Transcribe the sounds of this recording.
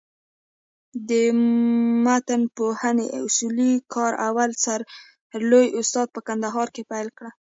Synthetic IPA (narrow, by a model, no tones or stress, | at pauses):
d̪ə | mat̪ənpohəneʊsulikʰɑɾawalsaɾ | lojʊst̪ɑd̪̚pəkand̪aɦɑɾkepajlkɽa